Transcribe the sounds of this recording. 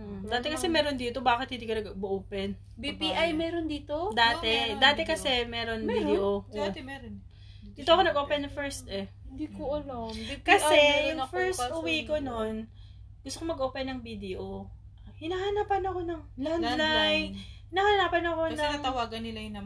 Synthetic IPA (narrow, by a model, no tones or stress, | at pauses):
d̪aːt̪ɛkɐsɛmɛːɾond̪iːt̪o̞baːkɪt̪hɪnd̪iːkɐnɐɡɐbʊʔoːpɛn | bipiʔajmɛɾond̪iːt̪od̪aːt̪ɛd̪aːt̪ɛkɐsɛmɛːɾo̞nbiːɛʔod̪ɛɾ | ɪt̪oɐkonɐɡʔoːpɛnːɐfɛɹst̪̚ʔɛd̪ikoʔɐlomkɐsɛʊŋfɛɹsʔʊwiːkono̞n | ɡʊst̪okomɐɡoːpɛnːɐŋbid̪ɛʔo | ʔ | hɪnaːhɐnapɐnɐko̞nɐŋlɐlajhɪnaːhɐnaːpɐnɐko̞nɐaːŋt̪ɐwaːɡɐnːɪlajʊnɐ